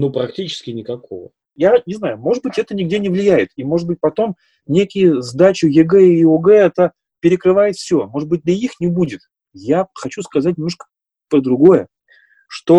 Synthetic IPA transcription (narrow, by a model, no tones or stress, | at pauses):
nupɾɐk̚tʲit͡ɕɪ̥skʲɪnʲɪkɐkovə̰ | janʲɪznajʊmo̞ʐɨd̪̚bɨtʲɛt̪ənʲɪɡdʲenʲɪvlʲɪjæjɪt̪imo̞ʐɨd̪̚bɨt̚ʲpɐt̪o̞m | nʲekʲɪjʊzd̪at͡ɕʊjʲɪɡɛoɡɛɛt̪ə | pʲɪɾʲɪkɾɨvajɪt̪fsʲo̞mo̞ʐɨd̪̚bɨt̚ʲd̪ʲɐixnʲɪbudʲɪt̪ | jaxɐt͡ɕuskɐzat̚ʲnʲɪmnoʂkə̥ | pɾəd̪ɾʊɡo̞jə | ʂt̪o̞